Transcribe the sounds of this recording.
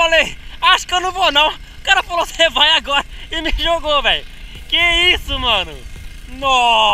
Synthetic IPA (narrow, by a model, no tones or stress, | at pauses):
falejaʃʊ̥kewnɐ̃w̃vonɐ̃w̃ | kaɾɐfalosevajaɡɔɾɐɪmɪʒoɡovẽj̃ | kɪɛisʊmɐ̃nʊ̰ | nɔ